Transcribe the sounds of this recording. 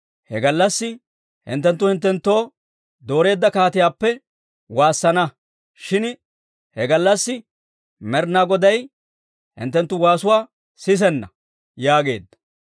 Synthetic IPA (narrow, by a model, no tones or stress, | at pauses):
hɛɡɐlːɐsːɪ | hɪ̰nt̪ːɛnt̪ːʊhɪnt̪ːɛnt̪ːo̞ː | d̪o̞ːɾe̞ːd̪ːɐkaːt̪ɪjaːpːɛ | waːsːɐnɐ | ʃɪn | hɛɡɐlːɐsːɪ | mɛɾnaːɡɔd̪ɐj | hɪ̰nt̪ːɛnt̪ːʊwaːsʊwaː | sɪs̬ɛnːɐ̰ | jaːɡe̞̰ːd̪ːɐ̥